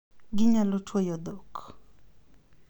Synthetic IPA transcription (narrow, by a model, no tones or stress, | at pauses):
ɡɪɲalɔtʰwɔjɔd̪ɔk